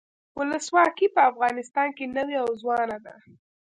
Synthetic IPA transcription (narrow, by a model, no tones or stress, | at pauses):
wʊləswɑkipəafɣɑnɪst̪ɑnkenəwiawzwɑnad̪a